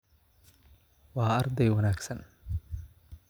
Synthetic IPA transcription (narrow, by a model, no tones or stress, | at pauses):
wɑːɐrd̪ɛjwɐnaːɡsɐn